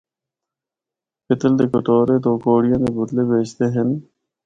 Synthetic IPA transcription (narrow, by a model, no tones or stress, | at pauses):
pɪt̪əld̪eːkʊt̪oːɾeːt̪oːkoːɽijãːd̪eːbʊd̪leːbeːt͡ʃt̪eːɦɪn